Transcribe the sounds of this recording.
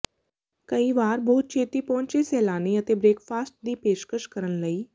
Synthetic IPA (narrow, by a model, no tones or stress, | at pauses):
kəiːʋaːɾbɔːt̪̚t͡ʃʰeːt̪iːpɔ̃ːɲt͡ʃesɛːlaːniːət̪eːbɾeːkfʰaːsʈ̚d̪iːpeːʃkəʃkəɾənləiː